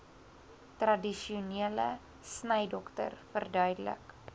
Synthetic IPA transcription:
trɐdiʃiuniələ | snəjdɔktə̰rfərdœɥdələ̰k

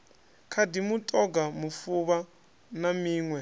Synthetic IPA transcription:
kʰadimutʼɔɡamufuβa | namiːŋwɛ

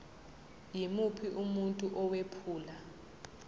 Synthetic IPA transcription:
jimupʰiʔumuntʼuʔɔwepʰuːla

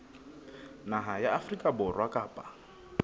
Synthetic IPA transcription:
naɦajaafrikʼabʊrwakʼaːpʼa

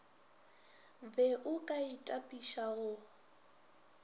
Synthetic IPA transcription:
bɛʔʊkʼaitʼapʼiʃaɣʊ

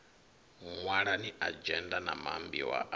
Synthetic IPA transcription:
ŋwaɺaniʔad͡ʒɛndanamambḭwa̰ʔ

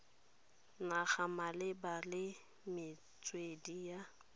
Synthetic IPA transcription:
naχamalɪbalɪ | mɪ | t͡sʼwedija

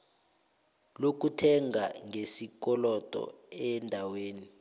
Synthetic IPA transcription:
lok̬utʰɛŋaŋʱesik̬ɔlɔtʼɔ̰ɛndʱaweːni

